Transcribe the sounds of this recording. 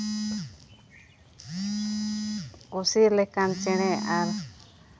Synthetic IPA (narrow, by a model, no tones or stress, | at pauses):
usiɾlɛkant͡ʃɛɽ̃ɛaɾ